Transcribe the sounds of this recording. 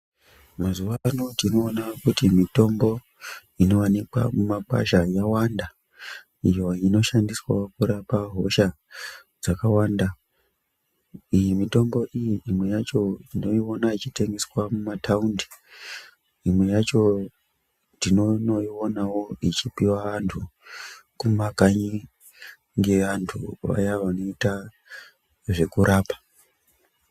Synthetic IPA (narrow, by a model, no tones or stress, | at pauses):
mazuʋanotino̞ːnakutimito̞mbo̞ | ino̞wanikwa̰mumaka̰ʃajawanda | ijo̞ino̞ʃandiswa̰okuɾapaɦo̞ʃa | d͡zakawaːnda | ijimito̞mbo̞ʔijiʔimwe̞jat͡ʃo̞ino̞io̞nait͡ʃite̞ŋɡe̞swamumatʰaundi̥ | imwe̞jat͡ʃo̞ | tinonoio̞nawo̞it͡ʃipiwaʋantʰu | kumakaɲi | ŋɡe̞ʋantʰuʋa̰jaʋano̞ita | ʐe̞kuɾaːpḁ